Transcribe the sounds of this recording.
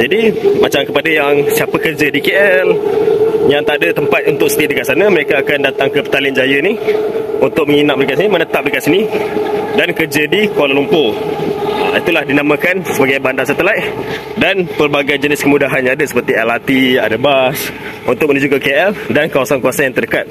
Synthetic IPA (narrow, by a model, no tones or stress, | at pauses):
d͡ʒadimat͡ʃamkəpadajaŋsiapəkərd͡ʒədikeʔɛl | jaŋt̪aʔdət̪əmpat̪̚unt̪ʊk̚sə̥t̪iədəkaʔ̪sanaməɾekaːkandat̪aŋkəpə̥t̪alɪnd͡ʒajəniunt̪ʊk̚məŋinaʔ̚mɾikaʔsinimənət̪ap̚dəkaʔsini | dankərd͡ʒədikualalumpo | a̰it̪ulahdinamə̃kansəbaɡajbandasət̪əlaj | danpərbaɡajd͡ʒənɪskəmudaɦanɲãadəsə̥pərt̪iɛlat̪ia̰dabas | unt̪ʊkmənud͡ʒukakeʔɛldankawasankuasanjaŋt̪ərdəkat̪̚